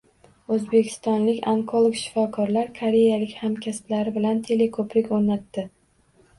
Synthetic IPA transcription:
ɵzbe̞kʲʰɪ̥st̪ɒnlɪkʲaŋkʰolˠokʃɪ̥fɒkʰɒɾlaɾkʰaɾejalɪkʲhamkʲʰasplaɾɪbɪlant̪ʰe̞le̞kʰopɾɪkʲoɾnat̪ːɪ

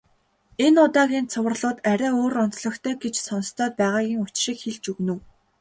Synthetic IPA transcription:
enʊt̪aːɣʲiːnt͡sʰʊw̆rɮʊːt̪æɾʲæːoːrʊnt͡sɮɞ̆xt̪ʰœːɡet͡ɕsɔn̆st̪ʰœːt̪̚pæːʁaːɣʲiːŋʊt͡ɕʃĭːkxeɮt͡ɕɵɣnɘ̆w

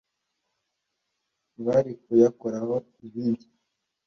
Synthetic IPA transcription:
βaɾikujakoɾaho | iβiːndi

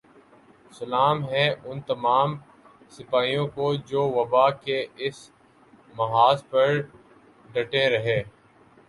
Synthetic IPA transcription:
sɐlaːmɦɛ̃ʔʊnt̪ɐmaːm | sɪpaːijõkod͡ʒoːʋɐbaːkeɪs | mɐɦaːspɐɾ | ɖɐʈẽɾɐɦẽː

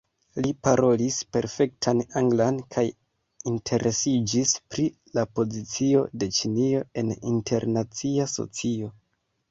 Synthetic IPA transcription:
lipaɾo̞lispe̞ɾfe̞k̚tʰanaŋɡlankʰaj | intʰe̞ɾʔe̞sid͡ʒispɾi | lapo̞zit͡sio̞de̞t͡ʃinio̞e̞nintʰe̞̰ɾnat͡siaso̰t͡sio̞

